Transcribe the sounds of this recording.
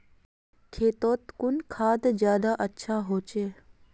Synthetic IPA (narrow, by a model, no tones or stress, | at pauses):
kʰeːt̪oːt̪kʊnkʰaːd̪d͡ʒjaːd̪aʔətːʃʰaɦoːt͡ʃeː